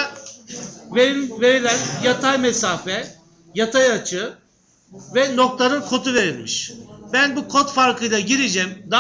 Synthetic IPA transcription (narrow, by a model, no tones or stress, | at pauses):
veɾimve̞ɾilʲænjat̪ʰajmɛsaːfɛ | jat̪ʰajat͡ʃʰɯ | vɛno̞k̚t̪ˠaɾɯnkʰo̞t̪ʰuve̞ɾilʲmiʃbænbukʰo̞t̪faɾkʰɯjlˠaɟiɾid͡ʒɛmd̪a